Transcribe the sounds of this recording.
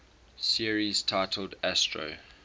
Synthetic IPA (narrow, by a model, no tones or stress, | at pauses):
siəɹiz̥tʰaɪtʰəl̩dæstɹo̰